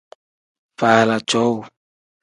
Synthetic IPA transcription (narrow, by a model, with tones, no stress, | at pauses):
fa˨la˨t͡ʃɔ˨˦wo˨